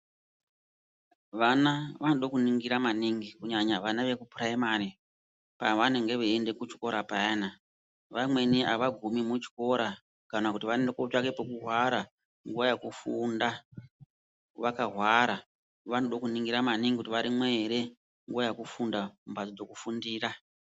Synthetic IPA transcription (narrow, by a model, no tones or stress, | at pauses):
ʋanaʋanoɗokuniŋɡiɾamaniŋɡikuɲaɲaʋanaʋe̞kupraimari | paʋane̞ŋɡe̞ʋeende̞kut͡ʃi̥ko̞ɾapaena | ʋamwe̞niʔaʋaɡʱumimut͡ʃi̥ko̞ɾa | kanakutiʋaendekot͡ʃake̞pokurwaɾa | ŋɡuajekufunda | ʋakaɦwaɾa | ʋanoɗokuniŋɡiɾamaniŋɡikutiʋaɾimweɾe̞ | ŋɡuʋajakufundaumbad͡zid͡zo̞kufundiːra